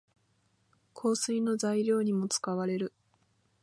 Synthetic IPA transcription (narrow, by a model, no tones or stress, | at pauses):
kʰo̞ːsɨino̞zaiɾʲo̞ːɲ̟imo̞t͡sɨ̥kaβaɾe̞ɾɯ̟